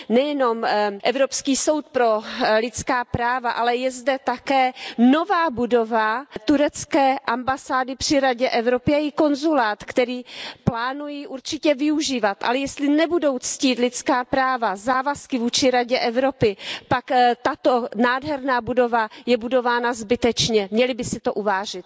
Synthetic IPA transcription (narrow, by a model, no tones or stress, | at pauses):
nɛjɛno̞mʔɛvɾopskiːso̞wt̪̚pɾo̞lɪt͡skaːpɾaːvaʔalɛjɛzdɛt̪akɛːno̞vaːbudo̞vat̪uɾɛt͡skɛːʔambasaːdɪpr̝̥ɪɾaɟɛʔɛvɾo̞pɪaɪko̞nzulaːt̪kt̪ɛɾiːplaːnujiʔuɾt͡ʃɪcɛvɪuʒiːvat̪ʔa̰lɛjɛst̪lɪnɛbudo̞wt͡sciːt̪lɪt͡skaːpɾaːvazaːvaskɪvuːt͡ʃɪɾaɟɛʔɛvɾo̞pɪpakt̪at̪o̞naːdɦɛɾnaːbudo̞vajɛbudo̞vaːnazbɪt̪ɛt͡ʃɲɛmɲɛlɪbɪsɪt̪oʔuvaːʒɪt̪